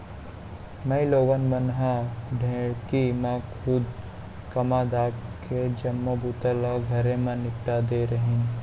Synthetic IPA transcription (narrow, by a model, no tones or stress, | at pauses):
mɐ̃iloːɡənmənɦaɖʱẽːɽkimãkʰʊd̪ | kɐmad̪aːkʰed͡ʒɐmːobut̪əlaɡʱɐɾẽmãnɪkʈad̪eɾəɦĩ